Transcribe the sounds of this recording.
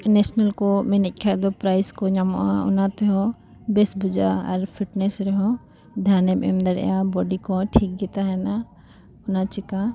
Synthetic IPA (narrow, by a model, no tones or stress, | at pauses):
nɛsnalkɔminɛc̪̚ˀkʰad̪ɔpɾajskɔɲamɔ̰ʔaʊ̰nat̪ɛɦɔ | bɛsbud͡ʒa̰a̰ɾpʰiʈnɛsɾɛɦɔ̃ | d̪ʱanɛmɛ̰md̪aɾɛ̰jabɔɖikɔʈʰik̚ɡɛt̪aɦɛna | ʊnat͡ʃika